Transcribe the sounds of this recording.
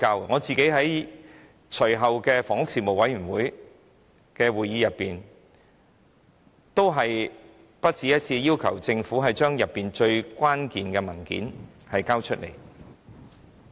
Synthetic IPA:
kaː˧wŋɔː˨˧t͡siː˨ke˨˥jɦɐ˨˥j | t͡ʃʰɵ˨˩jɦɐ˨wkɛː˧fɔː˨˩ŋʊ˥k̚siː˨˧mo˨wɐ˨˥jɥy˨˩nwuː˨˥j | kɛː˧wuː˨˩jːiː˨˧jɐ˨pːiː˨n | t̪o˥wɦɐ˨j | pɐ˥t̚t͡sʰiː˧jɐ˥t̚t͡sʰiː˧jiː˥wkʰɐ˨˩wt͡sɪ˧ŋfuː˨˥ɦɐ˨jt͡ʃœː˥ŋjɐ˨pːiː˨nt͡ʃɵ˧ɥkʷaː˥nkiː˨nkɛ˧mɐ˨˩nkḭː˨˥n | hɐ˨jkaː˥wt͡ʃʰɵ˥t̚lḛ˨˩j

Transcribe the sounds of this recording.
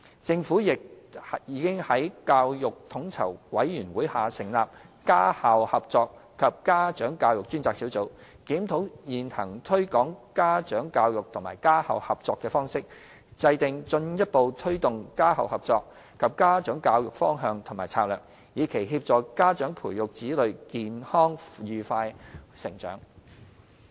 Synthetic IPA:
t͡sɪ˧ŋfuː˨˥jɪ˨k̚jiː˨˧kɪ˥ŋhɐ˨˥jkaː˧wjʊ˨k̚t̪ʰʊ˨˥ŋt͡sʰɐ̰˨˩wwɐ˨˥jːyː˨˩nwuː˨˥jhaː˨sɪ˨˩ŋlaː˨p̚kaː˥haː˨whɐ˨p̚t͡sɔː˧kkʰːɐ˨p̚kaː˥t͡ʃœː˨˥ŋkaː˧wjʊ˨k̚t͡ʃy˥nt͡saː˧ksiː˨˥wt͡so˨˥w | kiː˨˥mt̪ʰo˨˥wjiː˨nhɐ̰˨˩ŋt̪ʰɵ˥ɥkɔː˨˥ŋkaː˥t͡ʃœː˨˥ŋkaː˧wjʊ˨k̚t̪ʰʊ˨˩ŋma̰ː˨˩jkaː˥ha̰ː˨˩whɐ˨p̚t͡sɔː˧kːɛː˧fɔː˥ŋsɪ˥k̚ | t͡sɐ˧jt̪ɪ˨ŋt͡sɵ˧njɐ˥t̚po˨wt̪ʰɵ˥ɥt̪ʊ˨ŋkaː˥hɐ̰˨whɐ˨˩p̚t͡sɔː˧k̚ | kʰɐ˨p̚kaː˥t͡ʃœː˨˥ŋkaː˧wjʊ˨k̚fɔː˥ŋɦœː˧ŋt̪ʰʊ˨˩maː˨˩jt͡sʰaː˧k̚lœː˨k̚ | jiː˨˧kʰe˨˩jɦiː˧p̚t͡sɔː˨kaː˥t͡ʃœː˨˥ŋpʰuː˨˩jʊ˨k̚t͡siː˨˥lɵ˨ɥkiː˨nhɔː˥ŋjyː˨faː˧jsɪ˨˩ŋt͡ʃœ̰ː˨˥ŋ

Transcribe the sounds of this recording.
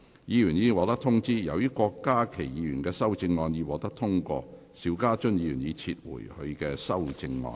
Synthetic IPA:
jiː˨˧jyː˨˩njiː˨˧wɔː˨˧˥t̪ɐ˥kt̪ʰʊ˥ŋt͡siː˥jɐ˨˧wji˥kʷɔː˧kːaː˥kʰe˨˩jjiː˨˧ɥyː˨˩nkɛː˧sɐ˥wt͡sɪ˧ŋːɔː˧njiː˨˧wɔː˨˥t̪ɐ˥k̚t̪ʰʊ˥ŋkɔ̰ː˧ | siː˨˧˥wkaː˥t͡ʃɵ˥njiː˨˧jy̰˨˩niː˨˧t͡sʰiː˧t̚wṵː˨˩jhɵ˧ɥkɛː˧sɐ˥wt͡sɪ˧ŋːɔ̰ː˧n

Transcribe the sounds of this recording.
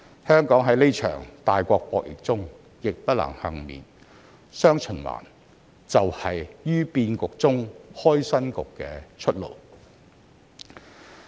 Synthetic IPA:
hœː˥ŋkɔː˨˥ŋɦɐ˨˥jle˥jt͡ʃʰœ̰ː˨˩ŋt̪aː˨jkʷɔː˧k̚pɔː˧k̚jɪ̰˨˩k̚t͡sʊ˥ŋ | jɪ˨k̚pɐ˥t̚lɐ̰˨˩ŋhɐ˨ŋmḭː˨˩n | sœː˥ŋt͡ʃʰɵ˨˩nwa̰ː˨˩n | t͡sɐ˨whɐ˨jjyː˥piː˧nkʊ˨k̚t͡sʊ˥ŋhɔː˥jsɐ˥nkʊ˨kːɛː˧t͡ʃʰɵ˥t̚lo̰˨˩w

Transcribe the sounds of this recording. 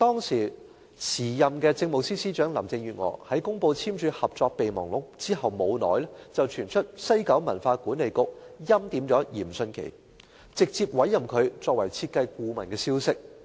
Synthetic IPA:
t̪ɔː˥ŋsiː˨˩ | sʰiː˨˩jɐ˨mkɛː˧t͡sɪ˧ŋmo˨wsiː˥siː˥t͡ʃœː˨˥ŋlɐ̰˨˩mt͡sɪ˧ŋɥyː˨t̚ŋɔ̰ː˨˩hɐ˨˥jkʊ˥ŋpo˧wt͡sʰiː˥mt͡ʃʰyː˨˧hɐ˨p̚t͡sɔː˧k̚pe˨jmɔ̰ː˨˩ŋlʊ˨˥k̚t͡siː˥ɦɐ˨wmo˨˧wnɔ̰ː˨˥jlɛ˥t͡sɐ˨wt͡ʃʰyː˨˩nt͡ʃʰɵ˥t̚sɐ˥jkɐ˨˥wmɐ˨˩nfaː˧kuː˨˥nːle˨jkʊ˨˥k̚jɐ˥mt̪iː˨˥mt͡sɔː˨˥jḭː˨˩msɵ˧nkʰḛ˨˩j | t͡sɪ˨k̚t͡siː˧p̚wɐ˨˥jːɐ˨mkʰɵ˨˧ɥt͡sɔː˧k̚wɐ˨˩jt͡sʰiː˧t̚kɐ˧jkuː˧mɐ˨˩nkɛː˧siː˥wsɪ˥k̚

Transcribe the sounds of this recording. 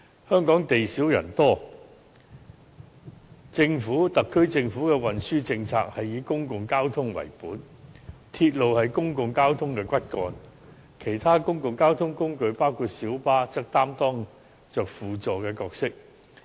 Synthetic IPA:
hœː˥ŋkɔː˨˥ŋt̪e˨jsiː˨˥wjɐ̰˨˩nt̪ɔː˥ | t͡sɪ˧ŋfuː˨˥t̪ɐ˨kʰːɵ˥ɥt͡sɪ˧ŋfuː˨˥kɛː˧wɐ˨nsyː˥t͡sɪ˧ŋt͡sʰa̰ː˧k̚hɐ˨jiː˨˧kʊ˥ŋkʊ˨ŋkaː˥wt̪ʰʊ˥ŋwɐ̰˨˩jpuː˨˥n | t̪ʰiː˧t̚lo˨whɐ˨jkʊ˥ŋkʊ˨ŋkaː˥wt̪ʰʊ˥ŋkɛː˧kʷɐ˥t̚kɔː˧n | kʰe˨˩jt̪ʰaː˥kʊ˥ŋkʊ˨ŋkaː˥wt̪ʰʊ˥ŋkʊ˥ŋkɵ˧ɥpaː˥wkʰuː˧t̚siː˨˥wpaː˥t͡sɐ˥k̚t̪aː˥mt̪ɔː˥ŋ | t͡ʃœː˨k̚fuː˨t͡sɔː˨kɛː˧kɔː˧k̚sɪ˥k̚

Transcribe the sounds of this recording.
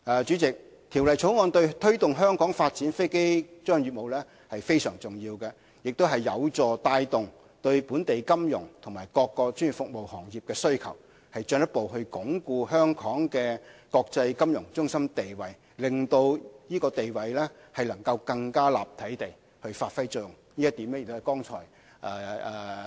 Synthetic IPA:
ɐː˨˧t͡ʃyː˨˥t͡sɪ˨k̚ | t̪ʰiː˨˩wlɐ˨jt͡ʃʰo˨˥wŋɔː˧nt̪ɵ˧ɥt̪ʰɵ˥ɥt̪ʊ˨ŋɦœː˥ŋkʰɔː˨˥ŋfaː˧t̚t͡siː˨˥nfe˥jke˥jt͡ʃœː˥ŋjy˨t̚mo˨wlɛː˥ | hɐ˨jfe˥jsœː˨˩ŋt͡sʊ˨˩ŋjiː˧wkɛ˧ | jɪ˨k̚t̪o˥wɦɐ˨jːɐ̰˨˧wt͡sɔː˨t̪aː˧jt̪ʊ˨ŋ | t̪ɵ˧ɥpuː˨˥nt̪e˨jkɐ˥mjʊ̰˨˩ŋt̪ʰʊ˨˩ŋmaː˨˩jkɔː˧kːɔː˧t͡ʃyː˥ny˨˩fʊ˨k̚mo˨whɔː˨˩ŋjiː˨p̚kɛː˧sɵ˥ɥkʰɐ̰˨˩w | hɐ˨jt͡ʃœː˧ŋjɐ˥t̚po˨wɦɵ˧ɥkʊ˨˥ŋkuː˧ɦœː˥ŋkʰɔː˨˥ŋkɛː˧kɔː˧k̚t͡sɐ˧jkɐ˥mjʊ˨˩ŋt͡sʊ˥ŋsɐ˥mt̪e˨jwɐ˨j | lɪ˨˩ŋt̪o˧wjiː˥kɔː˧t̪e˨jwɐ˨˩jlɛː˥ | hɐ˨jlɐ˨˩ŋkɐ˧wkɐ˧ŋkaː˥la̰ː˨p̚t̪ʰɐ˨˥jt̪e˨j | hɵ˧ɥfaː˧t̚fɐ˥jt͡sɔ˥˨ŋ | niː˥jɐ˥t̪iː˨˥mlɛ˥jɪ˨k̚t̪ːɐ˨˩kɔː˥ŋt͡ʃʰɔ̰ː˨˩j | ʔɛː˨˧˨

